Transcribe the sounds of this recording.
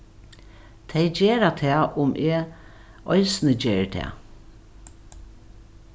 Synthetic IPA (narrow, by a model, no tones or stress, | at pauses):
t̪ʰɛjd͡ʒeːɾat̪ʰɛːʔʊmʔɛ | ɔɪsnəd͡ʒeːɹt̪ʰɛ̰ː